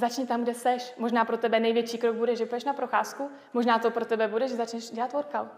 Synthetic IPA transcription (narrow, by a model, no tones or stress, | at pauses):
zat͡ʃɲɪt̪amɡdɛsɛʃmo̞ʒnaːpɾo̞t̪ɛbɛnɛjvjɛt͡ʃiːkɾoɡ̚budɛʒɛbudɛʃnapɾoxa̰ːsku | moʒnaːt̪o̞pɾot̪ɛbɛbudɛʒzat͡ʃnɛʃɟɛlat̪voɾkawt̪